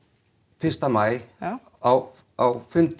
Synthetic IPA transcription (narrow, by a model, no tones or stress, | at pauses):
fɪr̥st̪amaːj | aw | awfʏnt̪